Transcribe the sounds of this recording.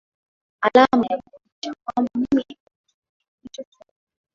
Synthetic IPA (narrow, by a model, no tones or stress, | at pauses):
alamajakuuiʃakwambamimi | it͡ʃɔt͡ʃu